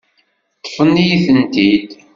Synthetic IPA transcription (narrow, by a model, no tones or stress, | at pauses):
t̪ːə̥fənːijiθənt̪id̪